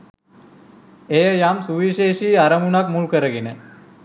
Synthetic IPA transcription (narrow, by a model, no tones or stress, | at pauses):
ejəjamsuʋiʃeːʃiːaɾəmunakmulkəɾəɡenə